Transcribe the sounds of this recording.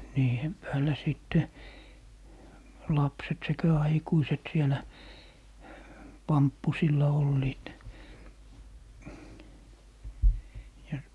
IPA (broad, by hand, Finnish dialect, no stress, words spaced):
niːhem pæːlæ siˑtːe lɑpset sekæ ɑikuiset sielæ pɑmpːusilːɑ olːiːt jɑ